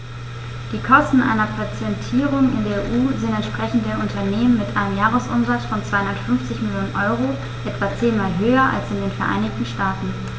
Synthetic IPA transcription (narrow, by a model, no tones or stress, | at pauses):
d̥iːkʰɔstn̩ʔa̰ɪnɐpʰat͡sɛntʰiːʁ̞ʊŋɪ̰ndeːɐeʔuːzɪntɛntʃpʁ̥ɛçn̩tdeːɐʔʊntʰɐneːmənmɪtʔaɪnəmjaːʁəsʔʊ̰mzat͡sfɔnt͡sv̥aɪhʊnɐtfʏnft͡sɪçmɪljoːnənʔɔʏʁ̞o | ʔɛtv̥aːt͡seːnmaːlɦøːɐʔa̰lsɪndeːnfɛɐʔa̰ɪnɪçtn̩ʃtaːtn̩